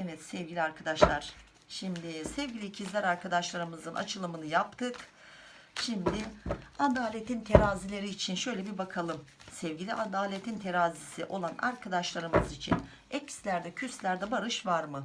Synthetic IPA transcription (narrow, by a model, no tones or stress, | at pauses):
ɛvɛt̪sɛvɟʲilʲiaɾkʰad̪aʃlˠaɾ̥ | ʃimd̪ɪsɛvɟilʲicʰizlʲæɾaɾkʰad̪aʃlˠaɾɯmɯzɯnʔa̰t͡ʃʰɯlˠɯmɯnɯjap̚t̪ʰɯk | ʃimd̪ɪad̪aːlʲet̪ʰint̪ʰe̞ɾaːzilʲe̞ɾiːt͡ʃʰinʃø̞jlʲɛbibakʰalˠɯm | sɛvɟilʲiʔad̪aːlʲet̪ʰint̪ʰe̞ɾaːzisiʔo̞lˠana̰ɾkʰad̪aʃlˠaɾɯmɯzit͡ʃʰḭn | ɛcʰslʲæɾd̪ɛcʰyslʲæɾd̪ɛbaɾɯʃvaɾmɯ